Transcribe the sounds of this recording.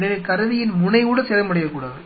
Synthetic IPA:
nɪlɐkɐɾɯðɪjɪnmʊɳɐɪuːɽɐsɛɾɐmʊɽɐjɐkːuːɽa̰ːðɯ

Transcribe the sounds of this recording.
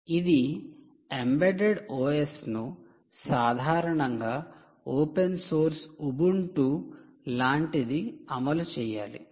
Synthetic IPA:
id̪i | embeɖeɖoːesnu | saːd̪ʱaːɾɐɳɐŋɡaː | oːpensoːɾsubuɳʈu | laːɳʈid̪iɐmɐlut͡ʃɛːja̰ːlḭ

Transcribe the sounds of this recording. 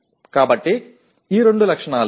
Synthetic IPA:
kaːbɐʈːi | iːɾe̞ɳɖulɐkʂɐɳaːl

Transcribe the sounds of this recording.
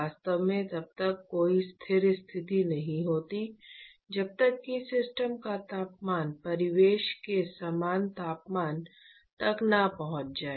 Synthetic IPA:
aːst̪əʋmẽt̪ɐb̚t̪ɐkːoːist̪ʰɪɾst̪ʰɪt̪inɐɦĩɦoːt̪i | d͡ʒɐb̚t̪ɐkːisɪsʈəmkat̪aːpmaːnpɐɾɪʋeːʃkesamaːnt̪aːpmaːn | t̪ɐknɐpɐɦʊ̃t͡ʃd͡ʒaːe

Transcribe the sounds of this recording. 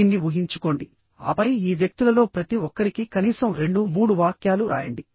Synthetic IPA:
inːiʋuɦiɲt͡ʃuko̞ːɳɖi | ɐ̰pɐjiːʋjɐk̚t̪ulɐlo̞ːpɾɐt̪iʋɔkːɐɾikikɐniːsɐmɾe̞ɳɖumuːɽuʋaːkjaːluɾʔa̰ːjɐɳɖi

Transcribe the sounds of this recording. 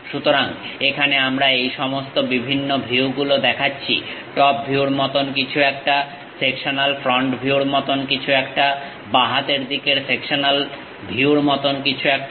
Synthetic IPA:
ʃut̪oɾaŋekʰaneamɾaejʃɔmost̪obibʱinːobʱiwɡulod̪ɛkʰatːɕʰḭʈɔp̚bʱiuɾmɔt̪onkit͡ɕʰuɛk̚ʈa | sekʃonalfɾɔɳʈbʱiuɾmɔt̪onkit͡ɕʰuɛk̚ʈa | baɦat̪eɾd̪ikeɾsekʃonal | bʱiuɾmɔt̪onkit͡ɕʰuɛk̚ʈ

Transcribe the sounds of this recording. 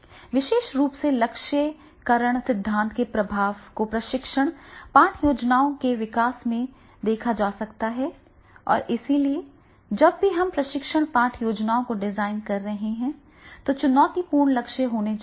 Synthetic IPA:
ʋɪʃeːʃɾuːpselɐkʃə | kɐɾəɽ̃sɪd̪ʱːãːnt̪ʰkepɾɐbʱaːʋkopɾɐʃɪkʃəɽ̃pãːʈʰjoːd͡ʒnaːõkeʋɪkaːsmẽ | d̪eːkʰad͡ʒaːsɐkt̪aɦɛ | ɔ̰ːɾʔɪsilie | d͡ʒɐbːiɦɐmpɾɐʃɪkʃəɽ̃pãːʈʰjoːd͡ʒnaːõkoɖɪzaːɪnkɐɾːɐɦeɦɛ̃ | t̪ot͡ʃʊnɔːt̪ipuːɾɳlɐkʃəɦoːned͡ʒ

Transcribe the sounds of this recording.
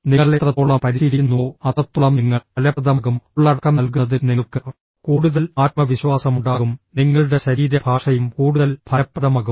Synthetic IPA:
niɐɭlet̪rɐt̪ːoːɭːɐpɐɾiɕiðinːuoɐðɐt̪ːuɭɐmniŋːɐɭɐlɐɐðɐmɐɣumɭːɐɽɐkːɐnɐlk̬uɐðɨniŋːɐɭkɨ | kuːɽuðɐlaːt̪̚mɐʋiɕʋaːsɐmuɳɖaːɣumniŋːɐɭuɽe̞ɕɐɾiːɾɐbʱaːʂɐjumkuːɽuðɐlbʱɐɐpːɐðɐmaɣu

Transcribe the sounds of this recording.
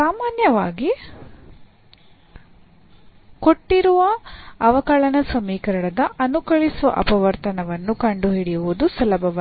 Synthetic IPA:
aːmaːnjɐʋaːɡi | koʈːiɾuʋɐɐʋɐkɐɭɐnɐsɐmiːkɐɾɐɳɐd̪ɐʔɐnukɐɭisuʋɐ̰ʔɐ̰pɐʋɐɾt̪ɐnɐʋɐnːukɐɳɖuɦiɽijuʋud̪usɐlɐbʱɐʋɐ

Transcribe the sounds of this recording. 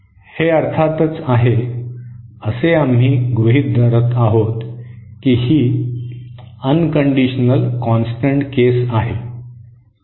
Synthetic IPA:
heəɾt̪ʰat̪ət͡saɦe | əseamɦiːɡʋəɦit̪̚d̪əɾət̪aɦot̪kiːhiː | ənkəɳɖiɕnəlkɔ̃nsʈəɳʈkesaɦe

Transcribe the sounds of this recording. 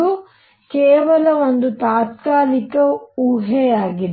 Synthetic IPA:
u | kɛːʋɐlɐond̪ut̪aːt̪̚kaːlikɐuɦeaːɡid̪

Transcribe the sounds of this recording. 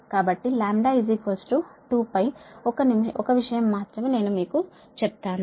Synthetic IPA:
kaːbɐʈːilaːmɖaːizikɐsʈuʈuːpɐjɔkɐnimɔkɐʋiʂɐjɐmːaːt̪ɾɐmeːne̞ːnumiːku | t͡ʃep̚t̪aːnu

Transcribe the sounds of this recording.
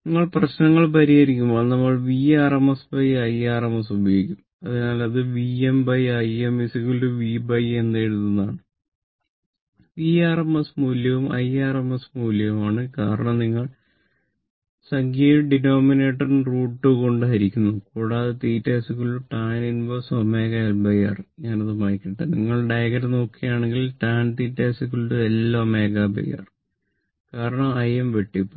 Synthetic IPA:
niŋːɐɭprɐɕnɐŋːɐɭpɐɾijɐɾikʲːumboːɭnɐmːɐɭʋiːaːrɐmɐsbɐjɐjaːrɐmɐsubʱɐjoːɡikʲːum | ɐðɨnaːlɐðɨʋiembɐjɐjemisikːuluʋiːbɐjend̪aːjɽut̪ːunːaːɳɨ | ʋiːaːrɐmɐsmuːljɐʋumɐ̰jaːrɐmɐsmuːljɐʋumaːɳɨkaːɾɐɳɐmniŋːɐɭ | sɐŋɡjɐjiɖinoːmine̞ːʈːɐrnruːʈːɨko̞ɳɖɨɦɐɾikʲːunːuɨkuːɽaːðet̪iːtːeːsikʲːuɭuʈaːninbosomeːɡɐelbɐjɐ̰rɲaːnɐðɨmaːjkʲːiʈːɨniŋːɐɭɖɐjɣɐɾno̞ːkːijaːɳeŋɡilʈaːnt̪iːtːeːsikʲːuɭuelːoːme̞ːɡabɐ̰jɐ̰r | kaːɾɐɳɐmɐjemʋeʈːipːo

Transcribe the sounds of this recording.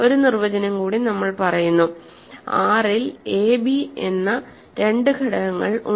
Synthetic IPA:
o̞ɾunirʋɐd͡ʑɐnɐmkuːɽinɐmːɐɭpɐrɐjunːu | aːrileːbiḛnːɐ | ɾe̞ɳɖɨkɐɽɐɣɐŋːɐɭu

